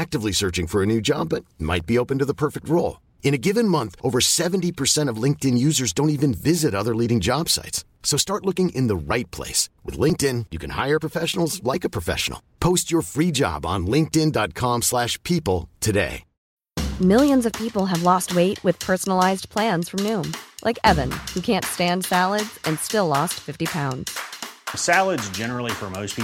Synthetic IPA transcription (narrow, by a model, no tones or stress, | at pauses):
æk̚tɨvlisɜ˞t͡ʃɪ̃ŋfə˞ɨnʉd͡ʒɑ̰b̚ʌt̚ma̰ɪt̚b̥ioʊpɨ̃n̩tɨðəpʰɜ˞fɨk̚t̚ɹoʊlˠ | ɨ̃ñɨɡɪvɨ̃nmʌ̃nθʔoʊvə˞sɛṽn̩tipʰə˞sɛ̃ɾ̃ʌvlɪ̃ŋk̚tɨ̃njʉzə˞zdõʊ̃ntivɨ̃nvɪzɨɾʌðə˞liɾɪ̃ŋd͡ʒɑb̥sa̰ɪtsːoʊstɑɹtˡlʊkɪ̃ŋʔɨ̃nðəɹaɪt̚pʰl̥ḛɪswɨ̰ðlɪ̃ŋk̚tɪ̃njɨkʰɨ̃nha̰ɪə˞pʰɹ̥əfɛʃn̩l̩ˠzlaɪkɨpʰɹ̥ɨfɛ̰ʃə̰n̩l̩ˠpʰoʊst͡ʃə˞fɹid͡ʒɑ̰b̃n̩lɪ̃ŋk̚tɪ̃ndɑt̚kʰɑ̃mslæʃpʰipl̩ˠtʰɨdḛɪ | mɪlˠjɨ̃nzʌv̥pʰipl̩ˠɨvlɔst̚weɪʔ̚wʔɨð̥pʰɜ˞sn̩l̩aɪzpʰl̥æ̃nz̥fɹʌ̃mnʉ̃mlʔaɪkɛvɨ̃nhʉkʰæ̃ntstæ̃nd̥sælˠədz̥ɨ̃nstɪlɔstfɪftipʰãʊ̃ndz̥sælˠədzd͡ʒɛnə˞l̩ˠifə˞moʊspʰi